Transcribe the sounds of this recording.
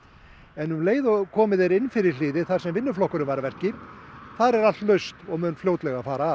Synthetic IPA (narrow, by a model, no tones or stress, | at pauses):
ɛnhʏmleːjðʏkʰɔːmɪðɛɾɪnfɪɾɪɾ̥lɪːðɪθaɾ̥sɛmvɪnːʏflɔhkʏɾʏnvaɾvɛr̥cɪɾ̥θaðɾɛɾal̥t̪lœɥst̪ɔɣmʏnfljowt̪lɛɣafaːɾaː